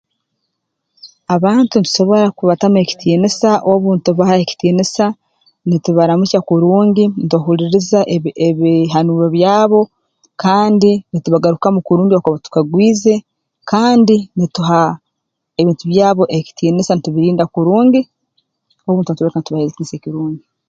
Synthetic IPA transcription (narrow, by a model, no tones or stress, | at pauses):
aβaːntunitu̥ʃo̞βo̞ɾakuβatame̞ci̥tʰiːnisaʔoβuːntuβahaeci̥tiːnisa | nituβaɾamucakuɾuːɲɟintoɦuliɾizaʔeβiɦanuɾoβjaːβo̞ | kaːndinituβaɡaɾukamukuɾuːɲɟiokoβatu̥kaɡwiːze̞ | kaːndinituɦa | e̞βiːntuβjaːβo̞ʔeci̥tʰiːnisanituβiɾiːndakuɾuːɲɟi | oβuːntunituβɾkanituβaeetiːnisekiɾuːɲɟi